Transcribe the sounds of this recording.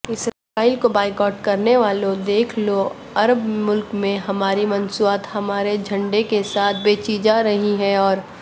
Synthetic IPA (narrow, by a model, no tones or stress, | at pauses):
ɪsɾɐfaːɪlkobaːɪkɔːʈkɐɾneʋaːlod̪eːkʰlo | ɐɾəbmʊlkmẽɦɐmaːɾimɐnsuaːt̪hɐmaːɾed͡ʒʱɐ̃ɳɖekesaːt̪̚ʰbeːt͡ʃid͡ʒaɾɐɦiɦɛ̃ɔːɾ